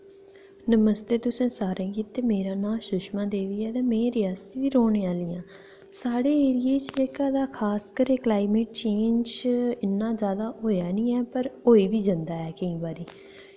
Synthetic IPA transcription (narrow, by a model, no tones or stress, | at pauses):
nəməst̪eːt̪ʊsẽːsaːɾẽːɡiːt̪ːeːmeːɾaːnãːʃʊʃmãːd̪eːʋiːɛːd̪eːmɛ̃ːɾɪjaːst̪iːʋiːɾoːɳẽːaːlijãː | saːɽeːeːɾɪjeːt͡ʃeːkaːd̪aːkʰaːskəɾeːklaːɪmeːʈ̚t͡ʃeːnd͡ʒɪnːãːzjaːd̪aːɦoːjaːnĩːɛːpəɾoːiːbiːd͡ʒɪnd̪aːɛːkəĩːbaːɾiː